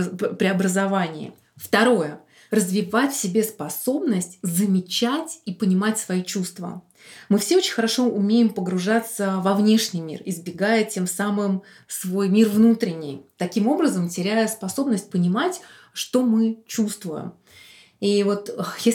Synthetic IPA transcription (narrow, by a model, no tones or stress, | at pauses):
pɾʲɪɐbɾəzɐvanʲɪɪ̰ | ft̪ɐɾo̞jə | rəzvʲɪvatʲfsʲɪbʲe̞spɐso̞bnəsʲtʲzəmʲɪt͡ɕætʲipənʲɪmatʲsvɐit͡ɕust̪və̰ | mɨfsʲeo̞t͡ɕɪnʲxəɾɐʂo̞ʊmʲejɪmpəɡɾʊʐat̪səvɐvnʲe̞ʂnʲɨjmʲḭrɪzbʲɪɡajətʲe̞msamɨm | svo̞jmʲirvnut̪ɾʲɪnʲɪ̰jt̪ɐkʲimo̞bɾəzəmtʲɪɾʲæjəspɐso̞bnəsʲt̚ʲpənʲɪmatʲ | ʂt̪o̞mɨt͡ɕust̪vʊjɪ̰m | ivo̞t̪əje